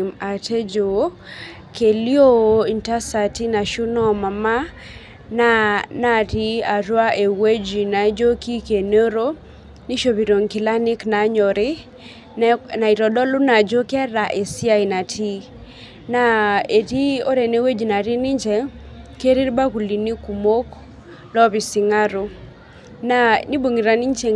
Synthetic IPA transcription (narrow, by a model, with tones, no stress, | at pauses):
ma˨tʰe˦d͡ʒo˨˦ | ke˨li˦o˦o˦i˨nta˦sa˨ti˦na˨ʃu˦nɔ˦ma˨ma˦ | nana˦ti˦a˨ɾwa˦ʔe˨we˦d͡ʒi˨na˨d͡ʒo˦ki˦ke˨no˦ɾo˦ | ni˦ʃo˨bi˨ɾo˨ŋkɪ˨la˦nɪ˦kna˨ɲɔ˨ɾɪ˦ | na˨i˨ɾɔ˨dɔ˦lʊ˦na˨d͡ʒo˦kɛ˦ɾa˨ʔe˨sɪ˦a˦i˨na˨tʰi˦ | na˨e˨ti˦o˦ɾɛ˨ne˦we˦d͡ʒi˨na˨ɾi˦nɪ˦ɲt͡ʃɛ˨ | ke˦ɾi˦ɾba˦ku˨li˨ni˦ku˨mo˦k | lɔ˦βi˨sɪ˨ŋa˦ɾo˨ | na˨ni˦bo˨ŋi˨ɾa˨ni˦ɲt͡ʃe˨